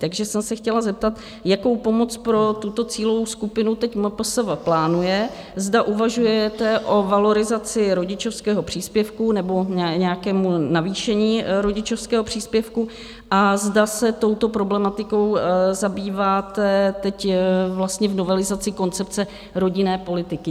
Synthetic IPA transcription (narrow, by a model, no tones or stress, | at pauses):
t̪aɡʒɛsɛmsɛxcɛlazɛp̚t̪at̪ | jako̞wpo̞mo̞t͡spɾo̞t̪ut̪o̞t͡siːlovowskupɪnut̪ɛcmposɛvaplaːnujɛ | zdaʔuvaʒujɛt̪ɛʔo̞valo̞ɾɪzat͡sɪɾo̞ɟɪt͡ʃofskɛːɦo̞pr̝̥iːspjɛfkunɛbo̞ɲɲɛjakɛːmunaviːʃɛɲiːɾo̞ɟɪt͡ʃo̞fskɛːɦopr̝̥iːspjɛfku | ʔazdasɛt̪o̞wt̪o̞pɾo̞blɛmat̪ɪko̞wzabiːvaːt̪ɛt̪ɛcvlast̪ɲɛvno̞vɛlɪzat͡sɪko̞nt͡sɛpt͡sɛ | ɾo̞ɟɪnɛːpo̞lɪt̪ɪkɪ